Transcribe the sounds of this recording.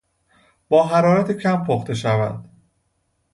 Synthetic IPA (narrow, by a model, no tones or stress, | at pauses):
b̥ɒːɦæɾɒːɾæt̪ʰecʰæmpʰoxt̪ʰe̞ʃævæ̰d̪̥